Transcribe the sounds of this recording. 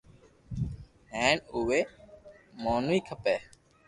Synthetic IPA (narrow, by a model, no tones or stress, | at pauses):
ɦɛ̃ːɳuʋeː | moːnuiːkʰəpɛː